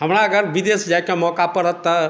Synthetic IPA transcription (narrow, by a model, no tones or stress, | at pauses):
ɦəmɾaəɡəɾʋid̪esd͡ʒajkemɔːkapəɾət̪ə